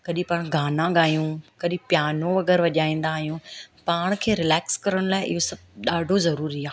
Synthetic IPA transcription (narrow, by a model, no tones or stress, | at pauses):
kɐɗĩpaːɽ̃ɡʱaːnãɠaːijũkɐɗĩpjaːnõʋɐɡɛːɾʋɐʄaːĩːn̆d̪aːɦijũpaːɽ̃kʰeːɾɪlɛːkskɐɾəɽ̃laːɪʔɪ̰ɦosɐb̚ɗaːɖʱozɐɾuːɾiaː